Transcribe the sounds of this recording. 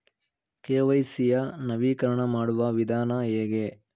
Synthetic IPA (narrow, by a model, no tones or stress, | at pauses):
keːʋɐjsijɐnɐʋiːkɐɾɐɳɐmaːɽuʋɐʋid̪ʱaːnɐɦeːɡe